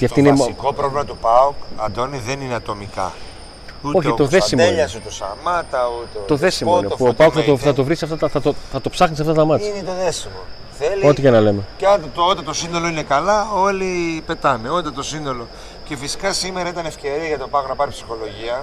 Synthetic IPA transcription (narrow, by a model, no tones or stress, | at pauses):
oiɐft̪inekopɾovlimɐt̪upɐokɐ̰d̪o̞niðenineɐt̪o̞mikɐ̰ | uoç̪it̪oðeimoeʎɐsut̪osɐ̰mɐt̪ɐut̪et̪o̞ðesimoinepuopɐokkθɐt̪oθɐt̪o̞vɾisiɐft̪ɐt̪ɐθɐt̪oθɐt̪opsɐxnisɐft̪ɐt̪ɐmɐt̪çinet̪oðesimo̰ | θelot̪icenɐle̞met̪t̪ot̪et̪osino̞loine̞kɐlɐo̞lipe̞t̪ɐne̞ot̪ɐt̪o̞sino̞lo̞ | ce̞fisi̥kɐsimeɾɐit̪ɐnefce̞ɾiɐʝɐt̪o̞pɐoknɐpɐɾipsi̥xo̞lo̞ʝiɐ